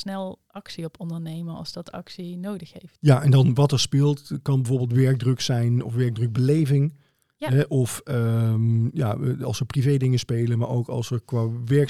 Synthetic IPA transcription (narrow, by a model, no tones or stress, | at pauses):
snɛlˠ | ɑksiɔpɔndəɹnejməɑ̰lˠzd̥ɑtʰɑ̰ksinowdəχɦejftjaʔɛndɑnʋɑtɛɹspɪːlˠtkɑnbəvoːɹbɪːlˠtʋɛɹɡ̚drøksɛjnɔ̰fʋɛɹɡ̚drɵɡ̚bəlejvɪŋ | ɦɛʔɔfəmja̰ɑ̰lˠsəprivejdɪŋəspejlənmaːɹo̰wkɑ̰lˠsəɹkʋaːʋɛɹk